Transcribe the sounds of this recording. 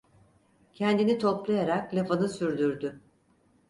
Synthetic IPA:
cʰɛnd̪init̪ʰoplˠajaɾaklʲafanɯsyɾd̪yɾd̪y

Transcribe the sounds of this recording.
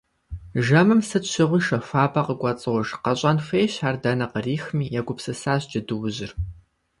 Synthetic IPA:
ʒɐmɨmsɨtɕɪʁʷʊʃɐfaːbɐqəɡʷʼɐt͡sʼɨʁʷɔʒqɐɕʼɐnfeːjɕaːrdɐnɐqəriːxmiːjɛɡʷʊpsɨsaːʑd͡ʒɐdɨwʊʑɪr

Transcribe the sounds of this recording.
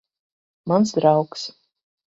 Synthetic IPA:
mansd̪ɾawks

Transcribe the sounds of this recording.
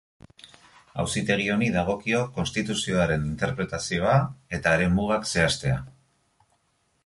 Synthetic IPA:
a̰wsit̪e̞ɣ̞io̞niðaɣ̞o̞kio̞ko̞nst̪it̪usio̞aɾe̞nint̪e̞ɾpɾe̞t̪asio̞ae̞t̪aeɾe̞muɣ̞akse̞ast̪e̞a

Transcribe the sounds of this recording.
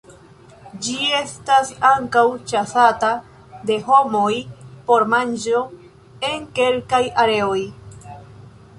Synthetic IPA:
d͡ʒie̞stasaŋkawt͡ʃasata | de̞ɦo̞mo̞jpo̞ɾmand͡ʒo̞ | e̞ŋke̞lkajaɾe̞o̞j

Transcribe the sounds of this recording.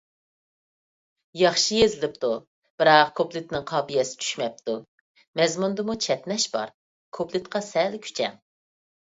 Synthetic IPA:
jɑχʃijezɪlɪp̚t̪u | b̥ɪɾɑqkʰoplˠɪt̪nɪŋqʰɑːbijɛsɪ̥t͡ʃʰy̥ʃmɛp̚t̪u | mɛzmund̪ɨmut͡ʃʰɛt̪nɛʃbɑ̰ɾ | kʰopʰlˠɪt̪qʰɑsɛlkʲʰy̥t͡ʃʰɛ̰ŋ

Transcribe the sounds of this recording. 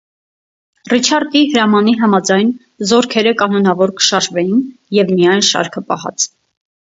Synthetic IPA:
rit͡ʃʰɑɾd̪ihəɾɑmɑniɦɑmɑd͡zɑjn | zɔɾkʰɛɾəkɑnɔnɑvɔɾkə̥ʃɑʒvɛjinjɛvmijɑjnʃɑ̰ɾkʰəpɑ̰hɑ̰t͡sʰ

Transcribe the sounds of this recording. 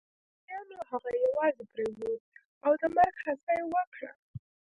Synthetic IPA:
jɑnoɦaɣajawɑzepɾewud̪̚ | awd̪əmaɾɡhasajewəkɽa̰

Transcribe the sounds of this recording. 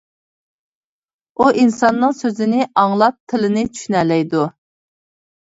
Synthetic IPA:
uʔinsɑnːɨŋsøzɪnɪʔɑŋlˠɑp̚t̪ʰɪlɪnɪt͡ʃʰy̥ʃynɛlɛjd̪u

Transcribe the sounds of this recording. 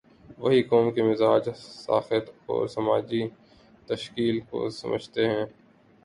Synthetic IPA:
ʋəɦikɔːmkemɪzaːd͡ʒsa̰ːxɪt̪ɔ̰ːɾsɐmaːd͡ʒi | t̪əʃkiːlko̰sɐ̰mʔə̰d͡ʒʱt̪eɦɛ̃ː

